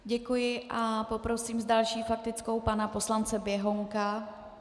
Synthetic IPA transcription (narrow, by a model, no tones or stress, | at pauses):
ɟɛkujɪʔapo̞pɾo̞siːmzdalʃiːfak̚t̪ɪt͡sko̞wpanapo̞slant͡sɛbjɛɦo̞ŋka